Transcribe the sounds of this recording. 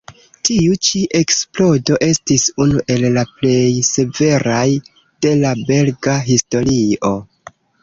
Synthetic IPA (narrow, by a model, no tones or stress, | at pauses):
tiut͡ʃiʔe̞ksplo̞do̞ʔe̞stisunuʔe̞lːaple̞jse̞ve̞ɾaj | d̥e̞labe̞lɡaɦisto̞ɾio̞